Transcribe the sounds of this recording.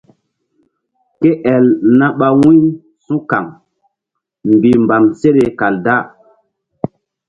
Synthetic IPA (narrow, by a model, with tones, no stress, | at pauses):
ke˦ʔɛ˨lnã˦ɓa˦˨wĩ˦ | sũ˦ka˨ŋ | m˨bi˨mba˨mse˦ɗe˨ka˨lda˦˨